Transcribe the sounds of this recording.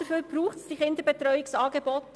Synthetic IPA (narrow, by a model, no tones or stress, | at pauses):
d̥əfyːɾb̥ɾuːχtsd̥iχɪndəbɛtɾœʏɪksɑːɡebɔt